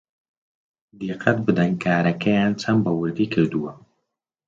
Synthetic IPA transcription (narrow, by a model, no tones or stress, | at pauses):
d̪iqʰat̪̚bɨd̪aŋkaːɾɐkɐjant͡sambɐwʊɾɡikəd̪uwa